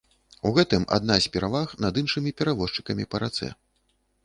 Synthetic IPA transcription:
uɣɛt̪ɨma̰d̪nasʲpʲɛɾavaxnɐd̪ɨnʂɨmʲipʲɛɾavɔʂt͡ʂɨ̥kɐmʲipɐɾat̪sɛ̰

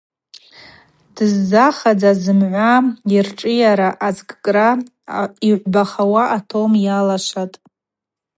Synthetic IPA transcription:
d̥ɨzːaχad͡zazɨmʕʷairʈ͡ʂʼɨjaɾaʔad͡zkʼkʼra | iʕʷbaχawaʔatʰomjalaʃʷatʼ

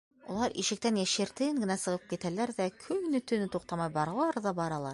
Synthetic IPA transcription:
ulˠɑɾiʃɘ̆k̚t̪ænjæʃɘ̆ɾt̪ɘŋɡɘ̆næsɤ̆ʁɤp̚kit̪ælæɾðækʰɵŋnɵ̆t̪ɵ̆nɘt̪uq̚t̪ɑmɑjbɑɾɑlˠɑɾðɑbɑɾɑlˠɑɾ

